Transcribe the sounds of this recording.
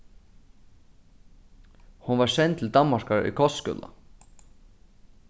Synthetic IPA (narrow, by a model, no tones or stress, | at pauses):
hunvaɹsɛnt̪ʰɪld̪anmaɾkaɹʏ̰kʰɔst̪skʏ̰ːla̰